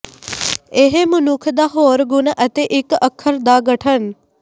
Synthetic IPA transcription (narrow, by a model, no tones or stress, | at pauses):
eɦemʊnʊkʰd̪aːɦoːɾɡʊnʔət̪eːʔɪkəkʰːəɾd̪aɡəʈʰən